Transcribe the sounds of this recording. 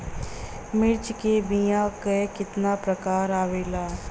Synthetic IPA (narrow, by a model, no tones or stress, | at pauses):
mɪɾt͡ʃkebijãːkekɪt̪naːpɾəkaːɾaːʋeːlaː